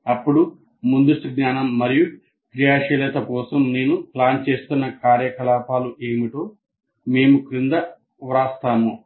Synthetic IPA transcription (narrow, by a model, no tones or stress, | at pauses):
ɐpːuɽu | mund̪uʂʈuɡɲaːnɐmːɐɾiju | kɾijaːʂɐlɛt̪ɐkɔːsɐmne̞ːnuplaːnt͡ʃe̞ːst̪unːɐkaːɾjɐkɐlaːpʰaːluʔe̞ːmiʈoː | me̞ːmukɾind̪ɐ | ʋɾaːst̪aːmu